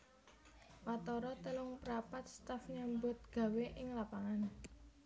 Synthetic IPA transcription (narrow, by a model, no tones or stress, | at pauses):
wat̪ɔɾɔt̪əlʊŋpəɾapat̪̚st̪afɲambʊt̪̚ɡ̥a̤weʔɪŋlapaŋan